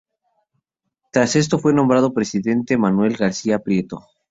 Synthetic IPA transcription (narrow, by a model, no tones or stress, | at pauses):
t̪ɾase̞s̬t̪o̞fwe̞nombɾað̞o̞pɾe̞siðe̞nt̪e̞manwe̞lɣaɾsiapɾje̞t̪o̞